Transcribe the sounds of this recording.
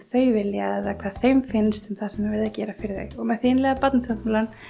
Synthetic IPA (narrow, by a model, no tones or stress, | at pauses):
θœːɥvɪljaɛðakʰvaðθejmfɪnst̪ʏmθasɛmːɛɾvɪɾðacɛːɾafɪɾɪðḛɣɔɣmɛðθiːnlɛɣapat̪nasatmulan